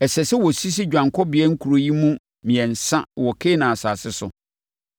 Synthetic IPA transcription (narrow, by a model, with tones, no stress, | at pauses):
ɛ˨sɛ˨sɛ˦wɔ˨si˦s̬i˦d͡ʑᶣã˨ŋkʰɔ˦bɪ˨ɛ˦ŋ̩˦kʰu˨ɾo˨ji˦mũ˦ | mĩ˨ɛ̃˨n̩˨sã˦wɔ˨kʰe˦nã˨a˨saː˨sɪ˦sʊ˨